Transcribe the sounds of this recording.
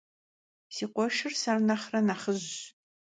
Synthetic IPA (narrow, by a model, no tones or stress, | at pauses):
siːqʷɔʃɪrsɐrnɐχrɐnaːχəʑ